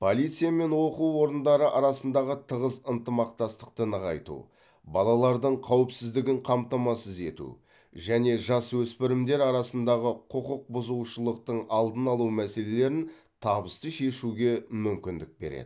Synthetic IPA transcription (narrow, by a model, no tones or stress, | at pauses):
pʰo̞lʲijt̪sɨjame̞nwo̞quwːo̞ɾənd̪ɑɾəʔɑɾɑsənd̪ɑʁət̪ʰəʁəzənt̪əmɑqt̪ɑst̪əq̚t̪ənəʁɑ̰jt̪ṵ | bɑlˠɑlˠɑɾd̪əɴqʰɑwɪpsɪzd̪ɪɡʲɪɴqʰɑmt̪ɑmɑsəze̞̰t̪ṵ | ʒæne̞ʒɑswɵspɪɾɪmd̪e̞ɾɑɾɑsənd̪ɑʁəqʰəqəq̚bʊzuwʃəlˠəq̚t̪əɴɑlˠd̪ənɑlˠuwmæse̞le̞le̞ɾɪn | t̪ʰɑbəst̪əʃe̞ʃuɡʲe̞mʏmkʲɪnd̪ɪk̚be̞̰ɾḛd̪̰